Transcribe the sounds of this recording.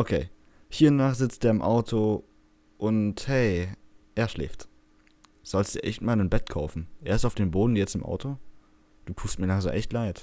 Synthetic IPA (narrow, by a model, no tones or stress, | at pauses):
ʔokʰeː | hiːɐʊnnaːχz̥ɪt͡stʔeːɐɪmʔa̰ʊtʰo | ʔʊnthɛɪʔeːɐʃlɛ̰ːftː | z̥ɔlstd̥iːɐʔɛçtmaːlənbɛtkʰaʊfn̩ʔeːɐɪstaʊfd̥eːnboːdn̩jɛt͡stɪmʔa̰ʊtʰo | d̥uːtʰuːstmiːɐlaŋzoʔɛçtlaɪt